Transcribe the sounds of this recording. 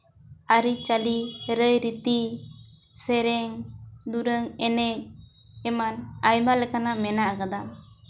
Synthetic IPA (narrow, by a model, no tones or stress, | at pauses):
aɾit͡ʃaliɾəjɾit̪i | sɛɾɛŋd̪uɾəŋɛnɛc̚ | ɛmanajmalɛkanamɛnakad̪am